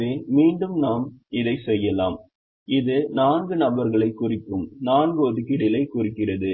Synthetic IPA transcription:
eːmiːɳɖɯmnaːmɪðɐɪsɛjːɐlaːm | ɪðɯnaːnɡɯnɐbɐɾɣɐɭɐɪkːʊrɪkːɯmnaːnɡɯɔðɯkɪɽɪlɐɪkːʊrɪkːɪrɐðɯ

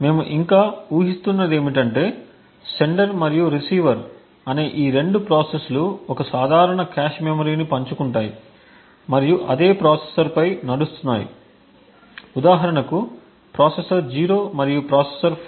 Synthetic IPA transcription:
me̞ːmuʔiŋkaːuːɦist̪unːɐd̪e̞ːmiʈɐɳʈe̞ː | se̞ɳɖɐɾmɐɾijuɾisiːʋɐɾ | ɐne̞ːʔiːɾe̞ɳɖupɾaːsesluɔkɐsaːd̪ʱaːɾɐɳɐkaːʃmemoɾiːnipɐɲt͡ʃukuɳʈaːji | mɐɾijuʔɐd̪e̞ːpɾaːsesɐɾpɐjnɐɽust̪unːa̰ːjḭ | ud̪aːɦɐɾɐɳɐku | pɾaːsesɐɾd͡ʒiːɾo̞ːmɐɾijupɾaːsesɐɾ

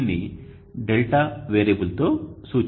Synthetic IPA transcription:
nːi | ɖelʈaʋeːɾebult̪o̞ːsuːt͡ʃ

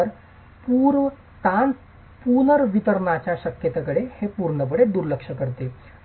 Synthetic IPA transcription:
əɾ | puɾ | ʈan | punəɾʋit̪əɾɳat͡ɕjaɕəkjət̪akəɽehepuɾɳəp̬əɽed̪uɾləkʂəkəɾt̪e

